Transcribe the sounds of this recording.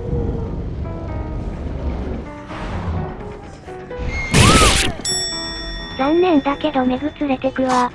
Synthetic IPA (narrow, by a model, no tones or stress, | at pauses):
jõnːẽ̞nd̪ake̞d̪o̞me̞ɡɯ̟t͡sɨɾe̞t̪e̞kɯβa